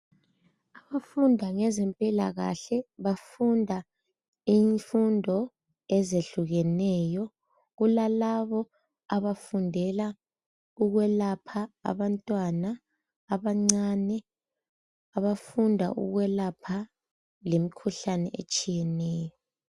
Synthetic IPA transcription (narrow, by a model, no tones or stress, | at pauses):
aβafundʱaŋɛzɛmpʼilaɣa̰ɬɛβafundʱa | iːɱfundʱɔ | ɛzeɬuɣɛnɛːjɔ | ɣulalaβɔ | aβafundʱɛla | uɣwɛlapʰa̰ːβantʼwanaː | βaŋ͡ǀanɛ | aβafundʱa̰ʔṵɣwɛlapʰa | lemikʰuɬanɛ̰ʔet͡ʃʼijɛnɛːjɔ